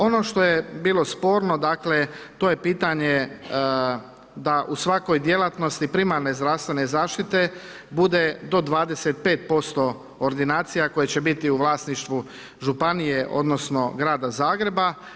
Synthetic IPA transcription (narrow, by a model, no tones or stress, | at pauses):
o̞no̞ʃt̪o̞jebiːlˠo̞spo̞ːɾno̞d̪akle̞t̪o̞je̞piːt̪aɲe̞ | d̪aʔusʋako̞jd̪je̞lˠat̪no̞st̪ipɾimaɾne̞zd̪ɾawst̪ʋe̞nezaːʃt̪it̪e̞ | bud̪e̞d̪o̞d̪ʋaːd̪eset̪̚pe̞ːt̪̚po̞st̪o̞ː | ɾd̪inaːt̪sijako̞jet͡ɕe̞bit̪iuʋlˠaːsniʃt̪ʋu | ʒupanije̞ʔo̞̰d̪no̞sno̞ɡɾaːd̪azaːɡɾe̞ba